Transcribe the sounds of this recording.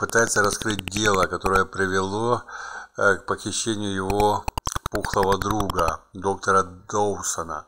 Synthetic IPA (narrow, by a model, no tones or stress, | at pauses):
pɨt̪ajɪt̪səɾɐskɾɨt̚ʲdʲe̞lˠəkɐt̪o̞ɾəjəpɾʲɪvʲɪlˠo̞ | k̚pəxʲɪɕːenʲɪjʊjɪvopuxlˠəvəd̪ɾuɡəd̪o̞k̚t̪əɾəd̪owsənə̰